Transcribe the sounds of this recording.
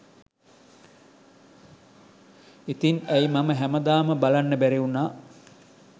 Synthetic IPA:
it̪inæjmaməɦæməd̪aːməbalanːəbæɾeunaː

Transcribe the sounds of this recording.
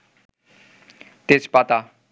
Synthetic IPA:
t̪espat̪a

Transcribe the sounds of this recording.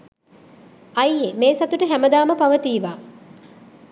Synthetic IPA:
ɐjːemeːsɐt̪uʈəɦæməd̪aːməpaʋət̪iːʋaː

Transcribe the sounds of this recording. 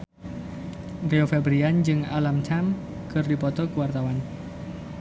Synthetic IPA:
reofɛbɾiand͡ʒɨŋa̰lamt͡ʃam | kɨrdipɔt̪ɔkuwart̪awan

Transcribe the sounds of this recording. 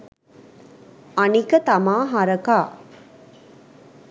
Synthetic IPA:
anikət̪amaːɦaɾəkaː

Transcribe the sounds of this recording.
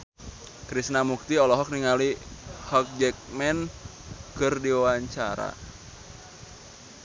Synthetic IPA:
kɾisnamuk̚t̪iɔlɔɦɔk̚niŋalihɔk̚d͡ʒɛk̚mɛn | kɨrdiwawaɲt͡ʃaɾa̰

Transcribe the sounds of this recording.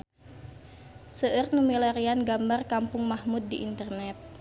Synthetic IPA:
səʔərnumilɛɾianɡambarkampʊŋmahmut̪̚diʔint̪ərnɛt̪̚

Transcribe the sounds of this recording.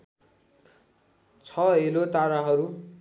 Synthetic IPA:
t͡sʰʌɦelot̪aɾaɦʌɾu

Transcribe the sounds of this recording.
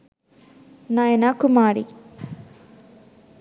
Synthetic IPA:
najɐnakumaːɾḭ

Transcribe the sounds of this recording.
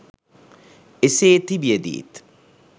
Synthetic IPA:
eseːt̪ibiɐd̪ḭːt̪

